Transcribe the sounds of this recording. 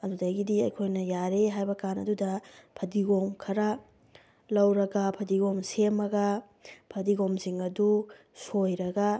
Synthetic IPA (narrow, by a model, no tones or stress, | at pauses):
ɐdudaɡidiɐ̰jkʰojnɐjaɾeɦajbɐkanɐ̰dudɐpʰɐdiɡomkʰɐɾɐ | lɐwɾɐɡɐpʰɐdiɡomsemːɐɡɐ | pʰɐdiɡomsiŋɐdu | sojɾɐɡɐ